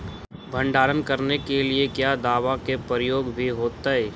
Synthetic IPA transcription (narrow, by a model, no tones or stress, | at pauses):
bʱə̃ɳɖaːɾənkɐɾnekeliekjaːd̪aːʋakepəɾəjoːɡbʱiɦoːt̪ae